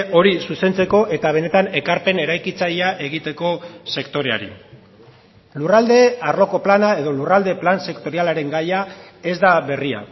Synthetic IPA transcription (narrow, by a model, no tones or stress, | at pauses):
o̞ɾisuse̞nt͡se̞ko̞ʔe̞t̪aβ̞e̞ne̞t̪ane̞kaɾpe̞ne̞ɾajkit͡sajaʔe̞ɣ̞it̪e̞ko̞se̞kt̪o̞ɾe̞a̰ɾḭ | lurald̪e̞arlo̞ko̞planae̞ðo̞lurald̪e̞planse̞kt̪o̞ɾialaɾe̞ŋɡaja | e̞zd̪aβe̞ria̰